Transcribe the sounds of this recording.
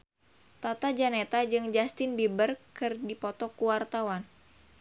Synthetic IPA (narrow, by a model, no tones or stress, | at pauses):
t̪at̪ad͡ʒanet̪ad͡ʒɨŋd͡ʒast̪ɪnbibərkɨrdipɔt̪ɔkuwart̪awan